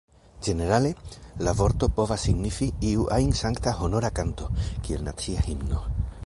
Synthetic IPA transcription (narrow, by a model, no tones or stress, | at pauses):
d͡ʒe̞ne̞ɾale̞lavo̞ɾto̞po̞vasːiɡnifiiuʔajnsaŋktaho̞no̞ɾakanto̞kie̞lna̰t͡siahimno̞